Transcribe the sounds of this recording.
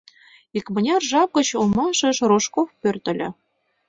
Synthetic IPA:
ikmɤ̆nʲɑrʒɑp̚ɡɤ̆t͡ɕulˠmɑʃɤ̆ʃroʃkofpʲørt̪ʲɘ̆lʲɘ̆

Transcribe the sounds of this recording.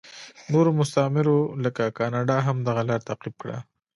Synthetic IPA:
noɾomʊst̪amɪɾoləkakɑnɑɖɑɦamd̪aɣalɑɾt̪aqib̚kɽa̰

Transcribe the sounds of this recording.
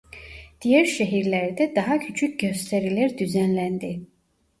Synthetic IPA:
d̪̥ijæɾʃæɦiɾlæɾd̪ɛd̪ɑɦɑcʰyt͡ʃʰycɟø̞st̪ʰæɾilæɾd̪yzænlænd̪i

